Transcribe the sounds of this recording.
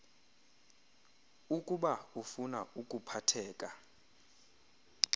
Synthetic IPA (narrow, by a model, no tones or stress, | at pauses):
ukʼuɓaufuna̰ukʼupʰatʰɛːkʼa